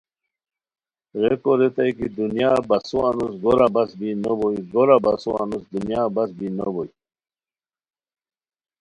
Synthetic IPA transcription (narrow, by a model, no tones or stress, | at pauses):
ɾekoɾet̪ajkid̪unjabasuanusɡoɾabasbinobojɡoɾabasua̰nusd̪unjaːbasbinobɔj